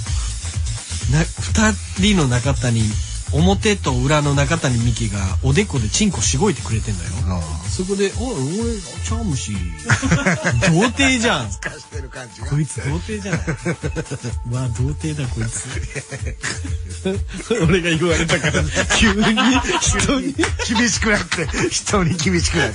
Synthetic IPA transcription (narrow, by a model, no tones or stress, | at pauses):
naɸɯ̟̥t̪a | ɾʲino̞nakat̪aɲ̟io̞mo̞t̪e̞t̪o̞ɯ̟ɾano̞nakat̪aɲ̟imʲikʲiɡaod̪e̞ko̞d̪e̞t͡ɕĩŋko̞ɕiɡo̞it̪e̞kɯ̟ɾe̞t̪ẽ̞nd̪a̰jo̞̰so̞k̬o̞d̪e̞ʔaoɾet͡ɕamɯ̟ɕi | d̪o̞ːt̪eːʑḁ̃t̪eɾka | kʰo̞it͡sɨd̪o̞ːt̪e̞ːʑã | mad̪o̞ːt̪e̞ːd̪ako̞it͡sɨ | oɾe̞ɡaiɯβaɾe̞t̪akaɾakʲʰɨːɲːiçi̥t̪oːɲ̟ikʲibʲiɕi̥kɯ̟nat̪ːeçi̥t̪oːɲikʲibʲiɕi̥kɯna